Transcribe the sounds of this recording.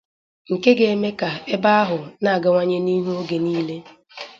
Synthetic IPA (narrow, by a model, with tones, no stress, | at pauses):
ŋ̩˨ke˦ɡe˨e˦me˦ka˨e˦ba˦a˦ɦʊ˨na˦˨a˨ɡa˦ŋʷa˦ɲe˦ni˦ɦu˦o˦ɡe˨niː˦le˦